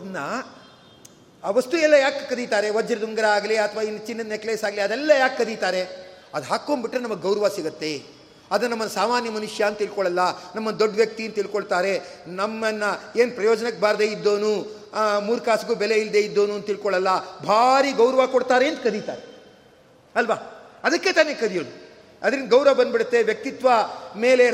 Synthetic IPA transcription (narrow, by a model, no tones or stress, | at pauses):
ɐnːɐ | ɐʋɐst̪uɛlːɐjaːkːkɐd̪it̪aːɾeʋɐd͡ʒɐɾɐd̪uŋɡɐɾɐaːɡɐliɐt̪ʰɐʋaːinːt͡ʃinːɐnekleːsaːɡliɐd̪ɛlːɐjaːkkɐd̪it̪aːɾe̞ɐd̪ɦaːkːoːnbiʈːɾenɐmːɐɡɡɐwɾɐʋaːsiɡɐt̪ːe̞ | ɐd̪ɐnnɐmːɐnɐsaːmaːnjɐmɐnuʂjaɐnt̪̚t̪ilkɔɭɐlːɐnɐmːɐnd̪oɖːʋjɐk̚t̪iɐnt̪t̪ilkoɭt̪aːɾe̞nɐmːɐnːɐeːnpɾɐjoːd͡ʒɐnɐk̚ːbaːɾd̪eːid̪ːo̞ːnu | muːɾkaːsɡuːbɛleild̪eːid̪ːo̞ːnuɐnt̪t̪ːilkɔɭɐlːɐbʱaːɾiɡɐwɾɐʋakɔɽt̪aːɾe̞ːnd̪kɐd̪it̪a̰ːɾe | ɐlʋaːɐd̪ɐkːe̞t̪aːnekɐd̪ijoːlu | ɐd̪ɐɾind̪ɐɡɐwɾɐʋɐbɐnd̪biɽɐt̪ːe̞ʋjɐk̚t̪it̪ʋɐme̞ːle